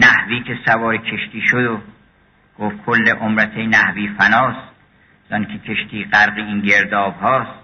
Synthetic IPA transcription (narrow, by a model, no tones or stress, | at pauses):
næhviːkʰe̞sævɒːɾekʲʰeʃt̪ʰiːʃod̪o | ɡ̥oft̪̚kʰolːeʔomɾæt̪ʰenæhviːfænɒːst̪ | z̥ɒnkʰekʲʰeʃt̪ʰiːɢæɾɢeinɟeɾd̪ɒːbhɒːst̪